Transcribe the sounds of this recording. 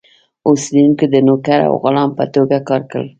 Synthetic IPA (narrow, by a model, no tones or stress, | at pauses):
oseunked̪ənokaɾa̰wɣʊlɑmpə̰t̪oɡakɑɾkə̰l